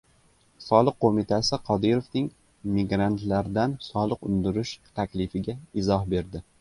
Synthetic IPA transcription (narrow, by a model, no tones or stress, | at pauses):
sɒlˠɨqʰːomɪt̪ʰasɪqʰɒd̪ɪɾofnɪŋ | mɪɡɾant̪laɾd̪ansɒlˠɨqʊnd̪ɪɾɪʃt̪ʰakʲlɪfɪɡʲaɪzɒɦbe̞ɾd̪ɪ